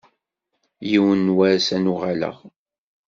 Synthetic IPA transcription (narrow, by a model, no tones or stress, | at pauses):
jiwənːwaɾsænuʁalə̰ʁ